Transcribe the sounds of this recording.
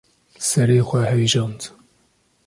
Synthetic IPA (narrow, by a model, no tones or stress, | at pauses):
sɛɾeːxʷɛhɛwiʒɑːnd̪